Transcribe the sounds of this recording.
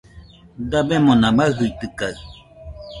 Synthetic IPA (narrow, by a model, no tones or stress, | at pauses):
dabɛmõnãmaɦɨit̪ɨkaɰ